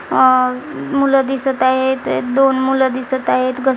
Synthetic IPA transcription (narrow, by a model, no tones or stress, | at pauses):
muləd̪isət̪aɦet̪d̪onmuləd̪isət̪aɦet̪ɡə